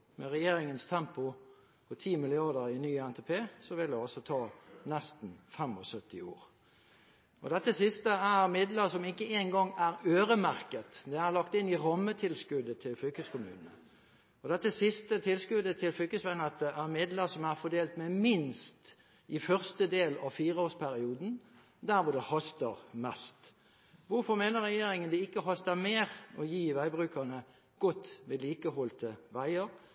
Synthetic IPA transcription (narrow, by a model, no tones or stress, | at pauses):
mɛʁɛjeːɾɪŋənst̪ʰɛmpʊ | pʰɔt̪ʰiːmɪlɪɑʁd̪əɾɪnyːəɛnt̪ɛpʰeːsɔʋɪld̪ɛɔsɔt̪ʰɑːnɛst̪nfɛmɔsœt̪ːɪoːʁ | ʔɔd̪ɛt̪ːəsɪst̪əæʁmɪd̪ləʁsɔmɪkːəeːnɡɔŋːæʁøːɾəmæʁkət̪d̪ɛæʁlɑkt̪ɪnːɪʁɔmːət̪ʰɪlskʉd̪ət̪ʰɪlfʏkəskʊmʉ̰ːnənə | ɔd̪ɛt̪ːəsɪst̪ət̪ʰɪlskʉd̪ət̪ʰɪlflʏlkəsʋɛnɑt̪̚d̪ɛʔæʁmɪd̪ləʁsɔmæʁfɔd̪eːlt̪mɛmɪnst̪ | ʔɪfœʁst̪əd̪eːlɑʋfiːɾəoːspʰæɾɪuːd̪n̩ | d̪æːɾʋʊd̪ɛhɔst̪əʁmɛst̪ | ʋʊɾfɔʁmeːnəɾʁɛjeːɾɪŋənd̪ɛɪkːəɦɔst̪əmeːʁɔjiːʋæɪbʁʉːkənə | ɡ̥ɔt̪ːʋɛliːkəhɔlt̪əʋæɪəɾ